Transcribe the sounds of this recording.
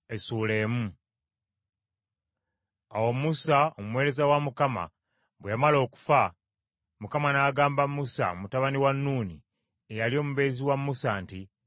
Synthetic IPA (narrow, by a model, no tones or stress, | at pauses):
e̞suːle̞ːmu | awo̞musaomuwe̞ːɾe̞zawamukama̰ | βwejamalo̞ːku̥fa | mukamanaːɡaːmbamːusa̰mutaβaniwanːuːni | ejalio̞ːmuβe̞ziwamːusanti